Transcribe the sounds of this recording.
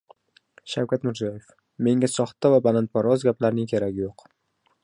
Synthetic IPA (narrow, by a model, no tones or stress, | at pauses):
ʃawkʲʰat̪mɪɾzijɒje̞f | me̞ŋʲasɒχt̪ːavabalant̪̚paɾɒzɡʲaplaɾnɪŋkʲʰe̞ɾaɡʲɪjoq